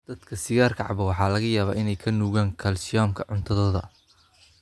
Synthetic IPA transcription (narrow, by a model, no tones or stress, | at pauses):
d̪̥ɐd̪kʰɐsɪɣaːrkʰɐʕɑ̰βɐwɑħɑːlɐɣɐjaːβa̰ːʔɪnɛjkʰɐnuːɣaːŋkʰɐlsɪɔːmkʰɐʕʊnt̪ʰɐðɔːðɐ̰